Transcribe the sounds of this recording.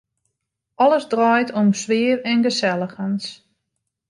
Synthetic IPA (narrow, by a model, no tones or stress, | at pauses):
ɔləzdrɔjtʰɔmsʋɪərɛnɡəsɛlˠəxəns